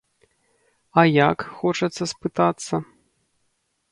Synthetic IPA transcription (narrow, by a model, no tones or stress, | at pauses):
ɐjakxɔt͡ʂɐt̪sːɐspɨt̪at̪sːɐ